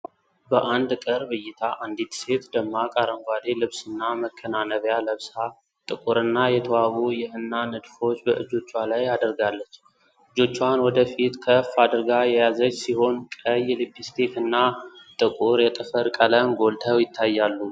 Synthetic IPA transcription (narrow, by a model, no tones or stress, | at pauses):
bəʔand̪kʼəɾbɨjːɪt̪ʰaʔand̪it̪se̞t̪d̪əmːakʼaɾəŋɡʷad̪e̞lɨβsɨnːaməkʰːənanəβjaləβsa | t̪ʼɨkʼuɾɨnːajɛt̪ʰəwawujɪhɨnːanɨd̪fo̞t͡ʃːbəʔɨd͡ʒo̞t͡ʃːwalajad̪əɾɡalːət͡ʃː | ʔɨd͡ʒo̞t͡ʃːanwɔd̪əfit̪kʰəfad̪ɾɡajɛjazət͡ʃːsiho̞nkʼəjːlɨbʰist̪ʰe̞t̪ɨnːat̪ʼɨkʼuɾjɛt̪ʼɨfəɾkʼələmɡo̞lt̪ʰəwjɪt̪ʰːajːalːu